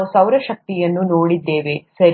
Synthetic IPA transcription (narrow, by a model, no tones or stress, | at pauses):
usɐwɾɐʃɐk̚t̪ijɐnːunoːɽid̪ːeːʋesɐɾ